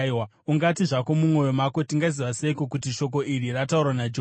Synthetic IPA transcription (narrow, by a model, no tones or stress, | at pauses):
wa | uŋɡatiʐako̞mumŋo̞jo̞mako̞tiŋɡaziʋaseiko̞kutiʃo̞k̬o̞iɾiratauɾwanad͡ʒo